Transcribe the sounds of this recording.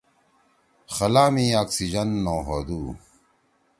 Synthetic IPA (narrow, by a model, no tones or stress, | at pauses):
xɐlaːmiːaːksid͡ʑɐnːõːɦoːd̪uː